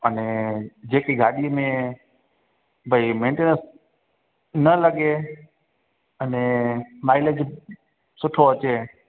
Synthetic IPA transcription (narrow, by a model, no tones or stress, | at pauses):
ənẽːd͡ʑeːkiɡʱaːɗiəmẽ | bʱəimẽːɳʈeːnəɾs | nələɠe | ənẽmaːɪləd͡ʑ | sʊʈʰoɐt͡ɕeː